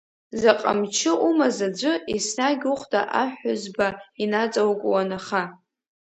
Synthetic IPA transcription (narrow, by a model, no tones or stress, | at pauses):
zaqʼa̰mt͡ʃʰɪʔumazad͡ʒʷʊisnaɡʲuχʷtʼa̰ʔaħʊzbainat͡sʼawkʷʼwanaχa